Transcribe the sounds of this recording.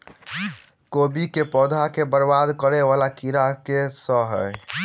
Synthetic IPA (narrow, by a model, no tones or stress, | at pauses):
kobikepɔd̪ʱakebəɾbad̪kəɾɛʋalakiɾakesəɦəj